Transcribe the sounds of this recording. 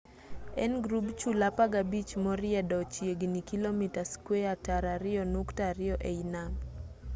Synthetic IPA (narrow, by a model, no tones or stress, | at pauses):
ɛnɡɾubt͡ʃulapaɡabit͡ʃmɔɾɪɛdɔt͡ʃjeɡnikilomitaskweataɾaɾɪɔnuktaɾɪɔʔeinam